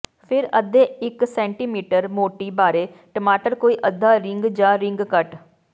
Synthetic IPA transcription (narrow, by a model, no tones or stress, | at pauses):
pʰɪɾəd̪eːɪksɛ̃ːɳʈiːmiːʈəɾmoːʈiːbaːɾeːʈəmaːʈəɾkoːiːʔəd̪ʱːaːɾɪŋɡd͡ʒãːɾɪ̃ŋɡkəʈ